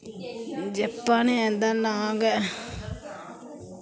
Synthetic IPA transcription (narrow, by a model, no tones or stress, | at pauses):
d͡ʒɛpːaniɛ̃nd̪anaɡɛʔ